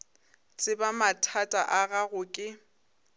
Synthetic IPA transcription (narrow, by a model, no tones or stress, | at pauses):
t͡sʼɪbamatʰatʼaʔaɣaɣʊkʼɪ